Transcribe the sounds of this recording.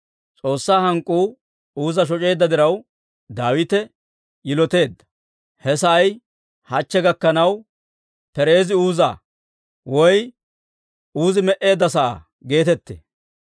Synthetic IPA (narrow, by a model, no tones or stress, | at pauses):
t͡sʼo̞ːsːaːhɐŋkʼːuː | uːzɐʃ̬ɔt͡ʃʼe̞ːd̪ːɐd̪ɪɾɐw | d̪aːwɪt̪ɛ | jɪlɔt̪e̞ːd̪ːɐ̥ | hɛsɐj | hɐt͡ʃːɛɡɐkːɐnɐw | pɛɾe̞ːzɪuːza̰ː | wɔj | uːzɪmɛʔe̞ːd̪ːɐsɐʔa̰ː | ɡe̞ːt̪ɛt̪ːḛː